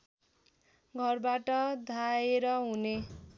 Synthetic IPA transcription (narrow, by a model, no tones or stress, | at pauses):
ɡʱʌrbaʈʌd̪ʱaeɾʌɦune